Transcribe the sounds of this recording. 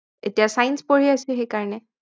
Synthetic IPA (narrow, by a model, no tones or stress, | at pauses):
et̪ijasajnspɔɹ̤iasixekaɹne